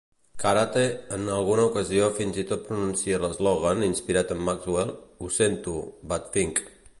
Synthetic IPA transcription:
kaɾat̪eənəlˠɣunəukəziofinzit̪ot̪̚pɾununsiələzlɔɣ̞aninspiɾat̪əmːakzwelˠusent̪ubat̪fiŋk

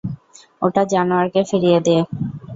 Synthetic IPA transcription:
oʈad͡ʑanuaɾkefiɾijed̪ee

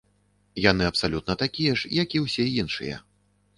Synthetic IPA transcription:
janɨɐpsalʲut̪̚nɐt̪akʲijɛʂjakʲiwsʲɛinʂɨ̰jɐ̰

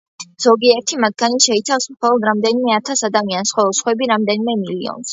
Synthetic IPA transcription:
z̥ɔɡiɛɾt̪ʰimat̪̚ʰɡaniʃɛit̪sʰafsmχɔlˠɔd̪ɾamd̪ɛnimɛat̪ʰasad̪amiansχwɔɔsχwɛbiɾamd̪ɛnimɛmilḭɔ̰ns

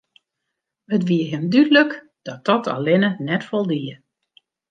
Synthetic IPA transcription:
ətʋiəɦɪmdydələk | d̥ɔt̚ɔtʰa̰lɪnənɛtfɔlˠdiə

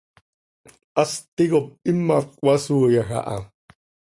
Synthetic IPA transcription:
ast̪iɣop̚imːakʼwasuːjaxa̰ʔa̰

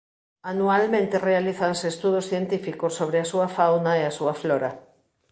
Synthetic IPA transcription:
anualmẽnt̪erealiθanseːst̪uðosθjent̪ifikosːoβ̞ɾeasuɐfawnaeasuafloɾa

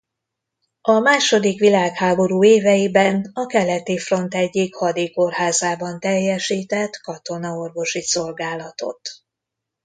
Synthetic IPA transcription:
ɒmaːʃo̞d̪ikʋilaːkhaːbo̞ɾuːeːvɛjibɛnɒkɛlɛt̪ifro̞nt̪ɛɟːikhɒd̪eko̞rɦaːzaːbɒnt̪ɛjːɛʃiːt̪ɛt̪kɒt̪o̞nɒo̞rvo̞ʃiso̞lɡaːlɒt̪o̞̰t̪

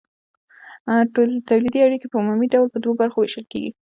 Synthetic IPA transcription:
ʈolt̪awlid̪iaɽikepəumumiɖawlpəd̪wobaɾxoweʃəlkḛɡḭ

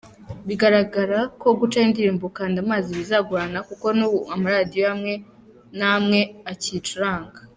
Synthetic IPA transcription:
βiɡaɾaɡaɾako̞ɡut͡ʃaindiɾiːmbukaːndamaːziβizaɡuɾanakuko̞nuamaɾadijo̞amŋe̞ | namŋe̞acit͡ʃuɾaːŋɡa

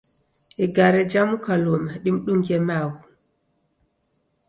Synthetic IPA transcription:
ʔɛɡaɾɛd͡ʒamukalɔmaɗimɗuŋɡɛmawu

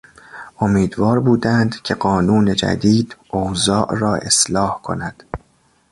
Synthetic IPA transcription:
ʔomiːd̪vɒːɾbuːd̪ænd̪cʲʰe̞ɢɒːnuːne̞d͡ʒæ̰d̪iːd̪̥ʔowzɒːʔrɒːʔe̞̰slɒːhkʰo̰næd̪̥

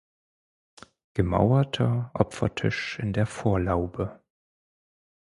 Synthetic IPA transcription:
ɡ̥əma̰ʊɐtʰɐʔɔpfɐtʰɪ̰ʃɪndeːɐfoːɐlaʊbə

